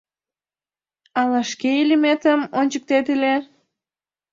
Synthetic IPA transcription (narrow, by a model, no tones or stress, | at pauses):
ɑlɑʃkeilʲimet̪əmonʲt͡ɕək̚t̪et̪ile